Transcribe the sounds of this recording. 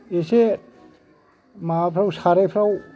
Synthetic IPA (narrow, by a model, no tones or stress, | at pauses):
ese | mapʰɾawsaɾajpʰɾaw